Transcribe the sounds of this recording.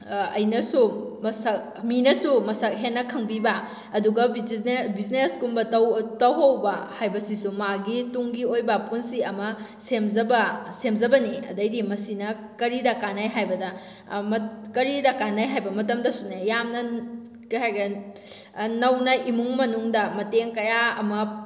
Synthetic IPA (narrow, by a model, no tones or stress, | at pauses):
ɐ̰jnɐsumɐsɐk | minɐsumɐsɐk̚ɦenːɐkʰɐŋbibɐ | ɐduɡɐbbizneskumbɐtɐwtɐwɦɐwbɐhajbɐsisumaɡituŋɡiojbɐpunsiɐmɐsemzɐbɐsemzɐbɐniɐ̰dɐjdimɐsinɐ | kɐɾidɐkanajɦajbɐdɐ | mɐkɐɾidɐkanːajɦajbɐmɐtɐmdɐsunɐjamnɐ | kɐjɦajɡɐ | nɐwnɐʔimuŋmɐnuŋdɐmɐteŋkɐjaɐmɐ